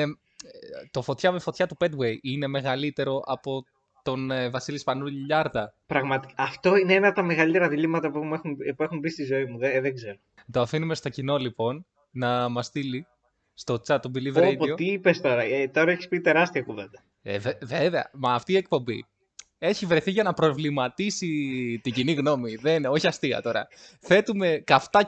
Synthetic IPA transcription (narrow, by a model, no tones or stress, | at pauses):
t̪o̞fo̞t̪çɐmefo̞t̪çɐt̪uped̪wejine̞me̞ɣɐlit̪e̞ɾo̞ʔɐpo̞ | t̪o̞nvɐsilispɐnuʎʎɐɾðɐpɾɐɣmɐt̪ikɐɐft̪oineenɐp̚t̪ɐme̞ɣɐlit̪e̞ɾɐðilimɐt̪ɐpuexunpue̞xunbist̪izo̞imuðeðeɡze̞ɾo | t̪o̞ɐfinume̞st̪o̞cino̞lipo̞n | nɐmɐst̪ili | st̪o̞t͡sɐt̪ːobilivɾedpiot̪iipest̪o̞ɾɐet̪o̞ɾɐeçispit̪e̞ɾɐst̪iɐkuvend̪ɐ | ḛveveve̞ɐ̰mɐːft̪iːek̚po̞mbḭ | e̞çivɾe̞θiʝɐnɐpɾo̞vlimɐt̪isit̪iɲɟiniɣno̞miðenno̞çiɐst̪iɐ̰t̪o̞ɾɐ̰θe̞t̪ume̞kɐft̪ɐ